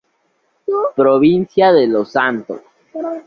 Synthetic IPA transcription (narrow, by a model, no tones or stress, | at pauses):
pɾoβinsjaðelosant̪o̰s